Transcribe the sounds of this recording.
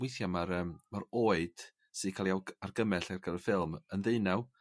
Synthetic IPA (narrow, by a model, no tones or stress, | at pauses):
wejθjamaɾəːmmaɾoːɨd̥ | sɨdkʰaːlˠiawarɡəmɛɬarɡəɾəfɪlˠmənðɨɨnaw